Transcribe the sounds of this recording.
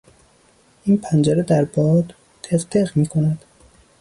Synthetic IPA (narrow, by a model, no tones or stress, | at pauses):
ʔiːnpʰænd͡ʒæɾed̪æɾbɒːd̪ | t̪ʰeɣt̪ʰeɣmiːkʰo̞næd̪̥